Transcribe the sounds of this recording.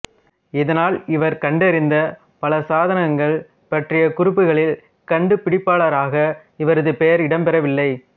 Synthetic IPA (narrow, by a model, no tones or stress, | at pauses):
ɪðɐnaːlɪʋɐɾkɐɳɖɐɾɪnd̪ɐ | pɐlɐsaːðɐnɐŋɡɐɭ | pɐʈrɪjɐkʊɾɪpːɯɣɐɭɪl | kɐɳɖɯpɪɽɪpːaːɭɐɾaːɣɐ | ɪʋɐɾɐðɯpejɐɾɪɽɐmpɛɾɐʋɪlːɐɪ